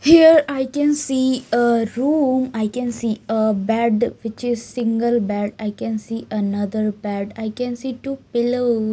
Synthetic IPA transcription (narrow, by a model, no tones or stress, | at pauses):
hiəɾaɪkɛ̃nsiːəɾũːmaɪkɛ̃nsiːəbɛɖʋɪt͡ʃɪzsɪ̃ŋɡəlbɛɖaɪkɛ̃nsiːʔənʌd̪əɾbæɖaɪkɛ̃nsiːʈuːpɪlo